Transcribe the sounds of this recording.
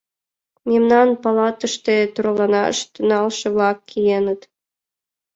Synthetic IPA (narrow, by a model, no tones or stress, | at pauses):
memnɑnpɑlɑt̪əʃt̪et̪uɾolɑnɑə̰ʃt̪ə̆nɑlʃɤ̆βlɑkʰːijenə̆t̪